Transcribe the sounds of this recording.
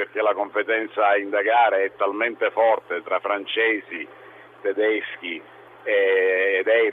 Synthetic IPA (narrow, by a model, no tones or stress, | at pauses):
perk̟elakompet̪ɛnt̪saind̪aɡaːɾeɛt̪ːalment̪efɔrt̪et̪ɾafːɾant͡ʃɛːzi | t̪ed̪ɛsk̟i | eːd̪ɛjɾ